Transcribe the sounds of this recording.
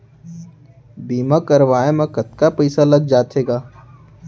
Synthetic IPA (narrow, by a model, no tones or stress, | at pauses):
biːmakɐɾʋaːemãkɐt̪kapɛːsalɐɡ̚d͡ʒaːt̪ʰeːɡaː